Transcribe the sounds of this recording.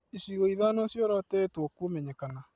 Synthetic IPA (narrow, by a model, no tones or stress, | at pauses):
isiɣoiðanosjoɾɔtɛtwɔkumɛɲɛkana